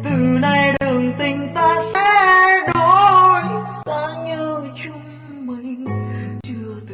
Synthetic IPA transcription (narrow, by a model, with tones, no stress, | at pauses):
t̪ɨ˨˩na˧˩jɗɨ˨˩əŋt̪ï˧˩ŋ̟t̪aː˧sɛ̰˧˥ɗo˧˦jzaː˧˥ɲəː˧t͡ɕu˧˥ | mi˨˧˩ŋt͡ɕɨ˧˩ət̪